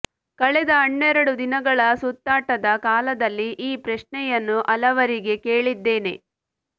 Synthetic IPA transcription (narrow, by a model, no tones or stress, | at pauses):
kɐɭɛd̪ɐɐɳːɛɾɐɽud̪inɐɡɐɭɐsut̪ːaːʈɐd̪ɐkaːlɐd̪ɐlːiʔiːpɾɐʃɳɛjɐnːuʔɐlɐʋɐɾiɡe̞ke̞ːɭid̪ːe̞ːne̞̰